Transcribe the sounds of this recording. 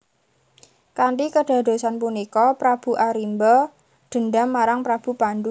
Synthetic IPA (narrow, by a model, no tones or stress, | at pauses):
kanʈikəɖ̥a̤ɖ̥o̤sanpunikɔpɾab̥ṳʔaɾimbɔ | ɖ̪̥ə̤nɖamːaɾaŋpɾab̥ṳpand̪u